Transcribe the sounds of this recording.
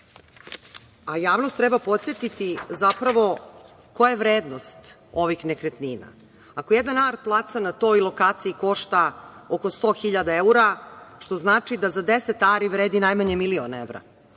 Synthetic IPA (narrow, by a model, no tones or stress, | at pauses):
ajaːʋnost̪ːɾɛbapo̞t̪set̪it̪izapɾaʋo̞ | kojaeʋɾeːd̪nost̪o̞ʋixnekɾet̪niːna̰ | akojed̪nanaɾplˠaːt̪sanat̪o̞jlˠo̞kaːt̪siiko̞ʃt̪aoko̞st̪o̞ːxiʎad̪aeuɾaʃt̪o̞znaːt͡ʃid̪azad̪eset̪aːɾiʋɾeːd̪inajmaɲemilionḛʋɾa̰